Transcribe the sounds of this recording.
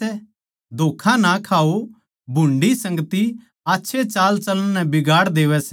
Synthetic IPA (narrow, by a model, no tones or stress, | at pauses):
ɛ | d̪ʱoːkʰãnakʰaːo | bʱʊ̃ɳɖisɐ̃ŋɡət̪i | aːtːʃʰet͡ʃaːlt͡ʃɐl̃nɛ̃bɪɡaːɽd̪eːʋɛsɛ